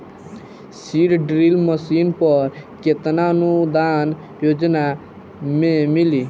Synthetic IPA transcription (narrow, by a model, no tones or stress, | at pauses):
siɾɖɾilməsinpəɾket̪nanud̪an | joːd͡ʒna | mẽmili